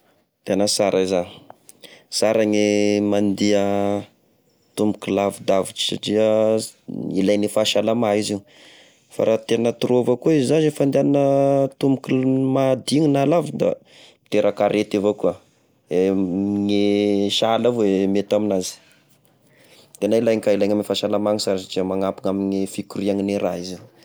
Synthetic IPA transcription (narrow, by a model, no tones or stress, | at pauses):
t̪enəsaɾʔaizani̥ | saɾaɲemand̪iə | t̪umbukilavud̪aviʈ͡ʂi̥sa̰ʈ͡ʂiə | ilajnifaʃalamaizi | fa̰ɾʔat̪enət̪uɾovakuizizanefand̪eannət̪umukimad̪iɲunalavid̪a̰ | mi̥t̪eɾʔakaɾʔet̪evokua | eŋeʃalavoemet̪aminazi̥ | d̪̥eanailajŋikailajɲamifaʃalamaŋisaɾisaʈ͡ʂiəmaŋapiŋaminefikuɾiaŋineɾaizi